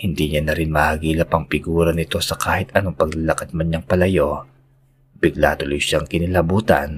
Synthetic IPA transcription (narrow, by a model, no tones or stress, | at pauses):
hɪnd̪iɲanɐɾɪnmɐhaɡiːlɐpɐŋpɪɡuːɾɐnɪt̪o̞sɐkʰaːhɪt̪ɐno̞ŋpɐɡ̚lɐlɐkɐd̪̚mɐɲɐŋpɐlɐjo̞ | bɪɡla̰t̪ʊlojʃaŋkɪnɪlɐbuːt̪ɐ̰n